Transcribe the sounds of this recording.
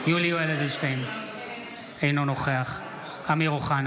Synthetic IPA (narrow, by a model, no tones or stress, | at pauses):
juliueled̪eʃtejn | ejnonoχeaχ | amiʁuχan